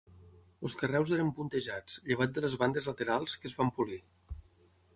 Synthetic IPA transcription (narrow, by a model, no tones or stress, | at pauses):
əlˠskərɛwzeɾəmpunt̪əʒat͡sʎəβ̞at̪̚d̪ələzβand̪əzlət̪əɾalˠskəzβampuli